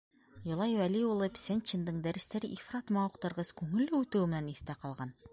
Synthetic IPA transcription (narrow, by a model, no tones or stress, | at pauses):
jŏlˠɑjwæliulˠɤpsʲænʲt͡ɕɘnd̪ɤɴd̪æɾɘ̆st̪æɾɘʔifrɑt̪mɑuqt̪ɤ̆ɾʁɤzkʉŋɘ̆lːɘʉt̪ɘ̆wɘmɘ̆næniθt̪æqɑlˠʁɑn